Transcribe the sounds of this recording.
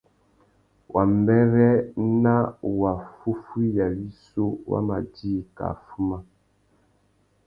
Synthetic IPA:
wʔa˨m˨bɛ˦ɾɛ˦na˦wa˨fu˦fi˦ja˨wi˦so˦wa̰˦ma˨diː˦˨ka̰˨fu˦ma˦

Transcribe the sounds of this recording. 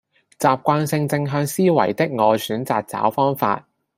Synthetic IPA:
t͡saː˨p̚kʷaː˧nsɪ˧ŋt͡sɪ˧ŋɦœː˧ŋsiː˥wɐ̰˨˩jt̪ɪ˥k̚ŋɔː˨˧syː˨˥nt͡saː˨k̚t͡sa̰ː˨˥wfɔː˥ŋfa̰ː˧t̚

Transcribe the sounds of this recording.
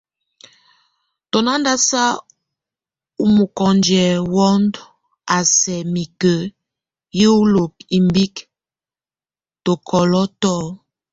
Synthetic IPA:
tɔ˨na˦n˦da˦sa˦ | u˦mu˨kɔ˨nd͡ʒɛ˨wɔ˦nd | a˨sɛ˨mi˨kə˨˦ | je˦u˦lo˨k̚i˨mbi˦k | to˨kʰɔ˨lɔ˦tɔ˦

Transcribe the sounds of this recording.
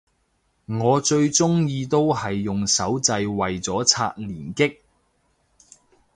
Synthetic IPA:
ŋɔː˨˧t͡ʃɵ˧ɥt͡sʊ˥ŋjiː˧t̪o˥whɐ˨jːʊ˨ŋsɐ˨˥wt͡sɐ˧jwɐ˨jt͡sɔː˨˥t͡sʰa̰ː˧t̚liː˨˩nkɪ˥k̚

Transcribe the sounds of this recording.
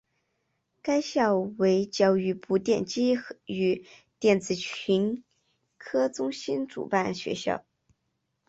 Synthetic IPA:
ka˥ɪɕjɑ˥˩ʊwe˧˥ɪt͡ɕjɑ˥˩ʊy˧˥pu˧˥t̪jɛ̰˥˩nt͡ɕi˥y˧˩ | t̪jɛ˥˩nt͡sɹ̩˨˩t͡ɕʰy˧˥n | kʰɤ˥t͡sʊ˥ŋɕi˥nʈ͡ʂṵ˨˩pa˥˩nɕɥɛ̰˧˥ɕjɑ̰˥˩ʊ

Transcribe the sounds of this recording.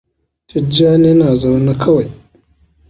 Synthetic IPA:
t͡ʃɪ˦d͡ʒaː˦neː˦naː˨za˦wna˦kʰɐ˦wa˨j

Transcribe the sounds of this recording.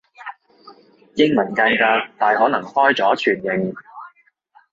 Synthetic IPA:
jɪ˥ŋmɐ˨˩nkɐ˧jkaː˧t̪aː˨˩jhɔː˨˥nɐ˨˩ŋhɔː˥jt͡sɔː˨˥t͡ʃʰyː˨˩njɪ˨˩ŋ

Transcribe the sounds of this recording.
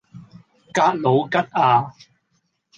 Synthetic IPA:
kaː˧t̚lo˨˧wkɐ˥t̚aː˧

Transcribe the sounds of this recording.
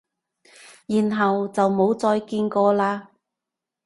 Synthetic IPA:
jiː˨nɦɐ˨wt͡sɐ˨wmo˨˧˥wt͡sɔː˧jkiː˧nkɔː˧laː˧

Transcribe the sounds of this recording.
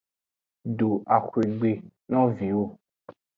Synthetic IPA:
ɖo˨a˨xwe˨ɡ͡be˨nɔ̃˦vĩ˨wo˦

